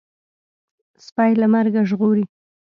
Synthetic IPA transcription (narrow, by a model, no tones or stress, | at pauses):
spɑjlamaɾɡaʒɣoɾi